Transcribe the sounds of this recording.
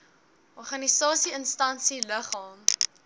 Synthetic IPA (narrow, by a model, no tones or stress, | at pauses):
ʔɔrχɐnisɑːsiənstɐnsiləχɑːm